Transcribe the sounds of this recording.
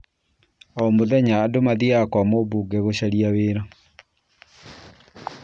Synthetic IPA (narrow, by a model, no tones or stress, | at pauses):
ɔmoðɛɲaːdomaðiakwɔmobuɡɛɣoɕaɾiaweːɾa